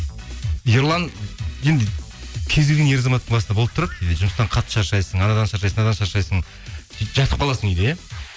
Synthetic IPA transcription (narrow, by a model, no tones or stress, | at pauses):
joɾlˠɑnje̞nd̪ɪ | kʲʰezd̪eɡʲenje̞ɾɑzɑmɑt̪ːəɴbɑsnd̪ɑboəpt̪ʊɾɑd̪əjend̪ɪʒʊməst̪ɑɴqʰɑt̪ːə̥ʃɑɾʃɑjsəɴɑnɑd̪ɑnʃɑɾʃɑjsəŋɑd̪ɑnʃɑɾʃɑjsəŋ | ʒɑt̪ʰəqpɑlˠɑsəŋʏjd̪eja